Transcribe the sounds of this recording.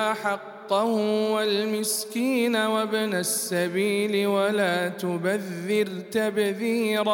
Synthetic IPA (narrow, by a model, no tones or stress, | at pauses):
ʔaħɑqːɑhʊwalmɪskiːnawabnasːabiːlɪwalaːt̪ʊbaðːɪɾt̪abðiːɾ